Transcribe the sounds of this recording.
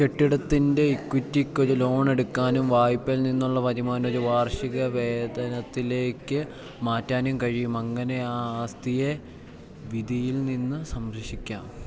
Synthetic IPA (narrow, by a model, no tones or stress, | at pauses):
ke̞ʈːiɽɐt̪ːinde̞ikwitːikʲːo̞ɾulo̞ːɳe̞ɽukːaːnumʋaːjpːɐlninːuɭːɐʋɐðimaːno̞ɾuʋaːrʂiɣɐʋe̞ːd̪ɐnɐt̪ːile̞ːkːɨ | maːtːaːnumkɐɻijumɐŋːɐne̞ast̪ije̞ | ʋid̪ijilninːɨsɐmɾɐʂikʲːaːm